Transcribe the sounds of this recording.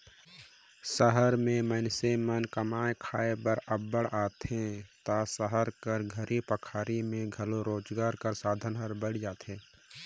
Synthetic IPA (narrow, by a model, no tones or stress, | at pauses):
səɦəɾmẽmənsemənkəmaːekʰaːebəɾəbːəɽaːt̪ɦẽt̪asəɦəɾkəɾɡʱəɾʔipəkʰaːɾimẽɡʱəloɾoːd͡ʒɡaːɾkəɾsaːd̪ʱənɦəɾbəɽ̤d͡ʒaːt̪ɦẽː